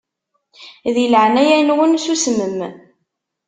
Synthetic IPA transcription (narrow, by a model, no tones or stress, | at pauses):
ðiələʕnæjænwənsusməm